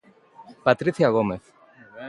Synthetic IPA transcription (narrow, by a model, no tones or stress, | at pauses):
pat̪ɾiθjaɣomeθ